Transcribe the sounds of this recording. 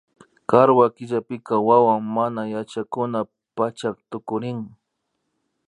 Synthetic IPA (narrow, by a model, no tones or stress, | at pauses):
kaɾwakɪʎapɪkawawaŋmanajat͡ʃakʊna | pat͡ʃak̚t̪ʊkʊɾɪŋ